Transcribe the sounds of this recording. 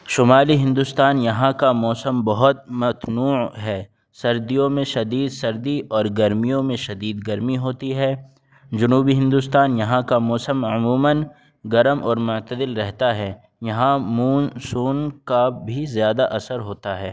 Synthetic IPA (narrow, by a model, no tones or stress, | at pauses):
ʃʊmaːliɦɪ̃nd̪ust̪aːnjɐɦãkamɔːsəmbɐɦʊt̪̚mɐt̪nuːɦɛː | sɐɾd̪ijõmẽʃɐd̪iːd̪sɐɾd̪iʔɔːɾɡɐɾmijõmẽʃɐd̪iːd̪ɡɐɾmiɦoːt̪iɦɛː | d͡ʒɐnuːbiɦɪ̃nd̪ust̪aːnjɐɦãkamɔːsəmʊmuːmən | ɡɐɾəmʔɔːɾmʊʕt̪əd̪ɪlɾɛɦt̪aɦɛː | jɐɦãmuːnsuːnkabʱizjaːd̪aʔɐsəɾɦoːt̪aɦɛː